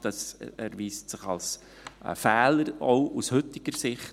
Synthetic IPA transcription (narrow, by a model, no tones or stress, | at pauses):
d̥ɑsɛɾʋiːstsɪχɑ̰ls | fæːləɾɔʊʔushɵtɪɡ̥əɾsɪχt